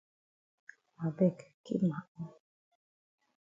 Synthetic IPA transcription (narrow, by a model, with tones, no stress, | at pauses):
ma˨bɛ˦˨kkḭ˦ma˨ʔɔ˦